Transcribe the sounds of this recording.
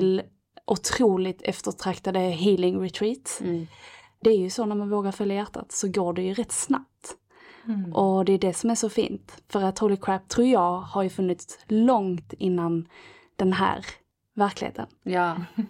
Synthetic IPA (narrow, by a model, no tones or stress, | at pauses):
l | ʔʊt̪ʰɾuːlɪt̪ʰɛft̪əʈʰɾakt̪ad̪əɦiːlɪŋɾɛt̪ʰɾiːt̪ | d̪̥ɛæɾjɵsɔnæɾmanvoːɡaɾfœljajæʈːa̰t̪sɔɡoːɖɛjɵɾɛt̪ːsna̰p̚t̪ | ʔɔd̪ɛːɖɛsɔmæʂɔfḭːnt̪fœɾat̪holɪkʰɾæp̚t̪ʰːɾuːɾjɑːɡhaɾjɵfɵnːɪt̪slɔŋt̪ɪnːan | d̪̥ɛnɦæ̰ːɾ | væɾklɪhḛːt̪ʰə̰n